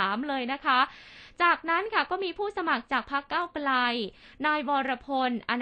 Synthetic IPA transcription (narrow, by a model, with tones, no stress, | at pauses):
mlɤː˧jna˦˥kʰa˦˥t͡ɕaː˨˩k̚na˦˥nkʰa˥˩kɔː˥˩miː˧pʰuː˥˩sa˧ma˨˩k̚t͡ɕaː˨˩k̚pʰa˦˥kːaː˥˩wkla˧j | naː˧jwɔː˧ɾa˧pʰo˧nʔa˧n